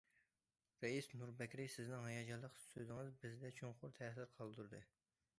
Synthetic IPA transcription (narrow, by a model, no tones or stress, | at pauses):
ɾɛisnuɾbɛkʲɾɪsɪznɪŋɦɑjɑd͡ʒɑlˠːəqsøzɪŋɨzbɪzd̪ɛt͡ʃʰoŋqʊɾt̪ʰɛːs̬ɪɾqʰɑlˠd̪uɾd̪ɨ